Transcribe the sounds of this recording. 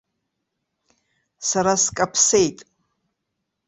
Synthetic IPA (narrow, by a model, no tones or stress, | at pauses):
saɾaskʼapʰsejtʼ